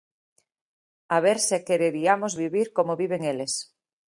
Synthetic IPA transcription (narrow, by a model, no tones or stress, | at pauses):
aβeɾsekeɾeɾiamozβiβiɾkomoβiβ̞eŋeles